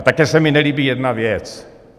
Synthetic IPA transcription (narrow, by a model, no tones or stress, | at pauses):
t̪akɛsɛmɪnɛliːbijɛdnavjɛt͡s